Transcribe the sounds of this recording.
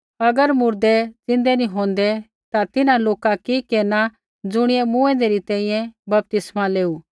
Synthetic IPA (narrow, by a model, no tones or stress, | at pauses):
ɐɡəɾmʊɾd̪ɛd͡zɪ̃nd̪ɛnĩɦõːn̆d̪ɛ | t̪at̪ɪnãloːkakikeːna | d͡zʊɽ̃ɪjɛmũːɛ̃nd̪eɾit̪ɛ̃ːĩjɛ̃bɐp̚t̪ɪsmaleːu